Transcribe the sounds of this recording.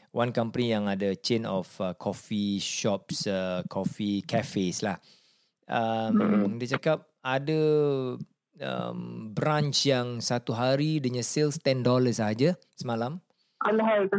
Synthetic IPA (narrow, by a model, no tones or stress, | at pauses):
wankampənijaŋadat͡ʃenɔfəkʰɔfiʃɔp̚səkʰɔfikafeslah | əmdiət͡ʃakap̚adə | ə̰mbɾãnt͡ʃjaŋsat̪uɦaɾidəɲãselst̪ɛndɔləsaɦad͡ʒa | səmalam | alɦal